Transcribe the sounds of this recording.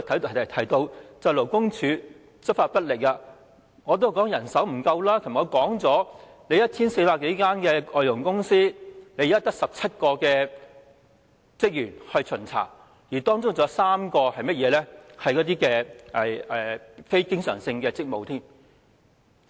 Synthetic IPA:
t̪ʰɐ˨˥˨ɐ˨˩t̪ʰɐ˨˩jt̪o˧wt͡sɐ˨˧wlo˨˩wkʊ˥ŋt͡ʃʰyː˨˧ | t͡sɵ˥t̚faː˧t̚pɐ˥t̚lɪ˨k̚ːɐ˧ | ŋɔː˨˧t̪o˥˨˩kɔː˨˥ŋjɐ˨˩nsɐ˨˥wm̩˨˩kɐ˧wlaː˥kʰɐ˨˩m˨˩ɔː˨˧kɔː˨˥ŋt͡sɔː˨˥ | ne˨˧jɐ˥t̚t͡sʰiː˥nse˧jpaː˧ke˨˥jkaː˥nkɛː˧ʔɔː˧jʊ˨˩ŋkʊ˥ŋsiː˥le˨˧jɐ˥t̪ɐ˥k̚sɐ˨p̚t͡sʰɐ˥t̚kɔː˧kɛː˧ | t͡sɪ˥k̚jyː˨˩nhɵ˧ɥt͡sʰɵ˨˩nt͡sʰa̰ː˨˩ | jiː˨˩t̪ɔː˥ŋt͡sʊ˥ŋt͡sɔː˨˥saː˥mkɔː˧hɐ˨jmɐ˥t̚jɛː˨˧˥lɛ˥hɐ˨jkɔː˨˥t̪̬iː˥kɛː˧ʔɛ˨˩ɛ˨˩fe˥jkɪ˥ŋsœː˨˩ŋsɪ˧ŋkɛː˧t͡sɪ˥k̚mo˨wt̪ʰiː˥n

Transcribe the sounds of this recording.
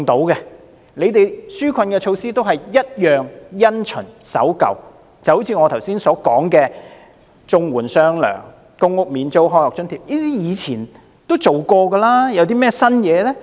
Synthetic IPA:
ŋt̪o˨˥wkɛ˧ | le˨˧jt̪e˨jsyː˥kʷʰɐ˧nkɛː˧t͡ʃʰo˧wsiː˥t̪o˥wɦɐ˨jjɐ˥t̚jœː˨˩ŋjɐ˥nt͡ʃʰɵ̰˨˩nsɐ̰˨˥wkɐ̰˨w | t͡sɐ˨who˨˥wt͡sʰiː˨˧˥ŋɔː˨˧t̪ʰɐ˨˩wsiː˥nsɔː˨˥kɔː˨˥ŋkɛː˧ | t͡sʊ˧ŋwuː˨˩nsœː˥ŋlœ̰ː˨˩ŋ | kʊ˥ŋʊ˥k̚miː˨˧nt͡ʃo˥wɦɔː˥jɔː˨k̚t͡ʃɵ˥nt̪ʰiː˨˩p̚jiː˥t̪iː˥jiː˨˧t͡sʰiː˨˩n | t̪o˥wt͡so˨wkɔː˧ɡɐ˧laː˥jɐ˨˧wt̪̬iː˥mɛː˥sɐ˥njɛː˨˧lɛː˥

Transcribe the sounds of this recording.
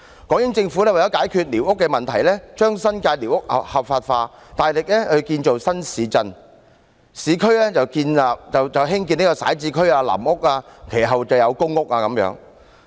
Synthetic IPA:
kɔː˨˥ŋjɪ˨˥ŋt͡sɪ˧ŋfu˨˥lɛː˥wa˨jɐ˨˥wkaː˨˥jkʰyː˧t̚liː˨˩wʊ˥kːɛ˧mɐ˨nt̪ʰɐ˨˩jlɛː˥t͡ʃœː˥ŋsɐ˥nkaː˧jliː˨˩wʊ˥k̚hɐ˨p̚hɐ˨p̚faː˧t̚faː˧ | t̪aː˨jlɪ˨k̚lɛː˥hɵ˧kiː˧nt͡ʃo˨wsɐ˥nsiː˨˧t͡sɐ˧n | siː˨˧kʰɵ˥ɥlɛː˥t͡sɐ˨wkiː˧naː˨p̚t͡sɐ˨wt͡sɐ˨˩wɦɪ˥ŋk̬iː˨˧ni˥kɔː˧sa̰ː˨˥jt͡siː˧kʰɵ˥ɥaː˧la̰ː˨˩mʊ˥k̚aː˧kʰe˨˩jɦɐ˨wt͡sɐ˨wjɐ˨˧wkʊ˥ŋʊ˥k̚aː˧kɐ˨˥mjœ̰ː˨˧˥ŋ

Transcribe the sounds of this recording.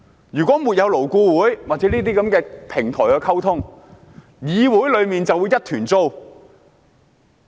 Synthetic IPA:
jyː˨˩kʷɔː˨˥mu˨t̚jɐ˨˧wlo˨˩wkuː˧wuː˨˥jwaː˨t̚t͡sɛ˨˦niː˥t̪̬iː˥kɐ˨˧˥mkɛː˧pʰɪ˨˩ŋt̪ʰɔ̰ː˨˩jkɛː˧kʰɐ˥wt̪ʰʊ˥ŋ | jiː˨˧wuː˨˥jlɵ˨˧ɥmiː˨nt͡sɐ˨wuː˨˧jːɐ˥t̚t̪ʰyː˨˩nt͡so˥w

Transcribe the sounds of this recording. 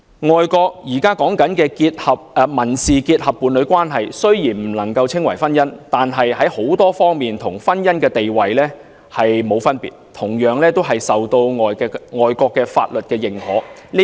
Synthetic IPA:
ŋɔː˨˧jkɔː˧k̚jiː˨˩kaː˥kɔː˨˥ŋkɐ˨˥nkɛː˧kiː˧t̚hɐ˨p̚ːmɐ˨˩nsiː˨kiː˧t̚hɐ˨pːuː˨˧nlɵ˨˧ɥkʷwaː˥nɦɐ˨jsɵ˥ɥjiː˨˩nm̩˨˩lɐ˨˩ŋkɐ˧wt͡sʰɪ˥ŋwɐ˨˩jfɐ˥njɐ˥nt̪aː˨nɦɐ˨jhɐ˨˥jho˨˥wt̪ɔː˥fɔː˥ŋmiː˨nt̪ʰʊ˨˩ŋfɐ˥njɐ˥nkɛː˧t̪e˨jwɐ˨jlɛː˥ | hɐ˨jmo˨˧wfɐ˥npḭː˨t̚t̪ʰʊ˨˩ŋjœː˨˧˥ŋlɛː˥t̪o˥wɦɐ˨jsɐ˨wt̪o˧wŋɔː˨jɛ˧ŋɔː˨jkɔː˧kːɛː˧fa̰ː˧t̚lɵ˨t̚kɛː˧jɪ˨ŋhɔː˨˥l

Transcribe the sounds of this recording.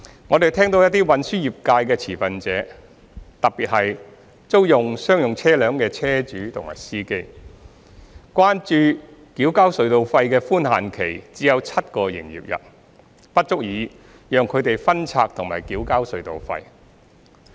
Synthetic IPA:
ŋɔː˨˧t̪e˨˩jt̪ʰɛː˥ŋt̪o˧wjɐ˥t̪iː˥wɐ˨˧nsyː˥jiː˨˩p̚kaː˧jkɛː˧t͡sʰiː˨˩fɐ˨nt͡sɛː˨˥ | t̪ɐ˨k̚piː˨t̚hɐ˨j | t͡so˥wjʊ˨ŋsœː˥ŋjʊ˨ŋt͡sʰɛː˥lœː˨˧ŋkɛː˧t͡sʰɛː˥t͡ʃyː˨˥t̪ʰʊ˨˩ŋma̰ː˨˩jsiː˥ke˥j | kʷwaː˥nt͡ʃyː˨˧kiː˨˥wkaː˥wsɵ˨˧ɥt̪o˨wfɐ˧jkɛː˧fuː˥nhaː˨nkʰe˨˩jt͡siː˨˥jɐ˨˧wt͡sʰɐ˥t̚kɔː˧jɪ̰˨˩ŋjḭː˨p̚jɐ̰˨t̚ | pɐ˥t̚t͡sʊ˥k̚jiː˨˧ | jœː˨˧ŋkʰɵ˨˧ɥt̪e˨jfɐ˥nt͡sʰaː˧k̚t̪ʰʊ˨˩ŋma̰ː˨˩jkiː˨˥wkaː˥wsɵ˨˧ɥt̪o̰˨wfɐ̰˧j

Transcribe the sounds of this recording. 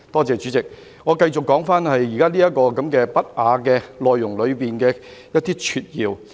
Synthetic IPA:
t̪ɔː˥t͡sɛː˨˧t͡ʃy˨˥t͡sɪ˨k̚ | ŋɔː˨˧kɐ˧jt͡sʊ˨kːɔː˨˥ŋfaː˥nhɐ˨jːiː˨˩kaː˥liː˥jɐ˥t̚kɔː˧kɐ˨˦mkɛː˧pɐ˥t̚ʔaː˨˧kɛː˧lɔː˨jːʊ˨˩ŋlɵ˨˧ɥpiː˨nkɛː˧jɐ˥t̪iː˥t͡ʃʰyː˧t̚jiː˧w

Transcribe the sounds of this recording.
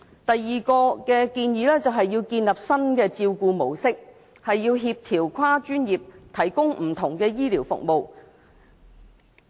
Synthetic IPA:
t̪ɐ˨jːiː˨kɔː˧kɛː˧kiː˧njiː˨˧lɛː˥t͡sɐ˨wɦɐ˨jːiː˧wkiː˧nlɐ˨p̚sɐ˥nkɛː˧t͡siː˧wkuː˧mo˨˩wsɪ˥k̚ | hɐ˨jːiː˧wɦiː˧p̚t̪ʰiː˨˩wkʰaː˥t͡ʃyː˥njiː˨p̚t̪ʰɐ˨˩jkʊ˥ŋm̩˨˩t̪ʰʊ˨˩ŋkɛː˧jiː˥liː˨˩wfʊ̰˨k̚mo˨˧w

